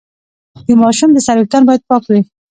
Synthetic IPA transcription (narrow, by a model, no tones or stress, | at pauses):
d̪əmɑʃumd̪əsaɾwik̚t̪anbɑjad̪̚pɑkwi